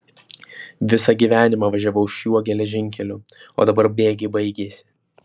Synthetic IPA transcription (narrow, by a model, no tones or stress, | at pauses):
ʋʲɪsɐɡʲiːʋʲæːnʲɪmɑːʋɐʒʲæʋɐʊɪʃjuɔɡʲɛlʲɛʒʲɪŋʲkʲɛlʲʊo̰ːd̪ɐbɐɾbʲeːɡʲɪbɐɪɡʲeːsʲɪ̥